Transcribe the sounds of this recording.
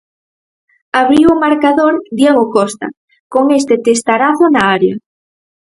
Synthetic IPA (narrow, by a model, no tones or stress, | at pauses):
aβɾiwomaɾkaðoɾd̪jeɣokɔst̪a̰ | koŋest̪et̪est̪aɾaθonaaɾja